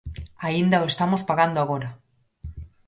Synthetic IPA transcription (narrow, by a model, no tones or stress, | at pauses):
aind̪aoest̪amospaɣand̪oaɣ̞oɾa